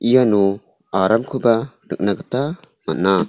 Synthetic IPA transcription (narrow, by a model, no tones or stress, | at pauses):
ʔijanu | aɾamkʰɯbanɯk̚naɡɯta | mat̚na